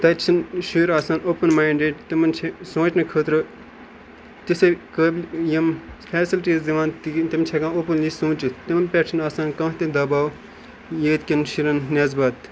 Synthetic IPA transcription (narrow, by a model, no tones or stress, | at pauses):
t̪ɐt͡ʃʰinʃiːɾaːsaːnoːpənmaːiɳɖeːʈt̪imɐnt͡ʃʰesõːt͡ʃnɨkʰət̪ɾɨ | t̪isekəːblʲjɐmfʰɛːsilʈiziʋãːnt̪it̪imt͡ʃʰekãːoːpənlisũːt͡ʃit̪imɐnpʲɛːt͡ʃʰinaːsaːnkãːɦt̪ed̪ɐbaːw | jeːt̪kʲinʃiɾɐnnɛzbaːt̪